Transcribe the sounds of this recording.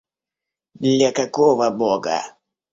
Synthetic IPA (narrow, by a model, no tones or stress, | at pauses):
d̪lʲakakɔvɐbɔɡa̰